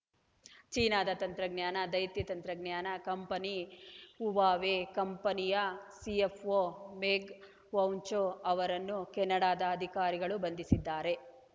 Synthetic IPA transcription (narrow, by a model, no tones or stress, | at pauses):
t͡ʃiːnaːd̪ɐt̪ɐnt̪ɾɐɡnjaːnɐd̪ɐjt̪jɐt̪ɐnt̪ɾɐɡnjaːnɐkɐmpɐniuʋaːʋekɐmpɐnijɐsiepʰoːmeːɡ | ʋɐwnt͡ʃoːɐʋɐɾɐnːukɛnːɐɽaːd̪ɐːd̪ʱikaːɾiɡɐɭubɐnd̪isid̪ːaːɾe̞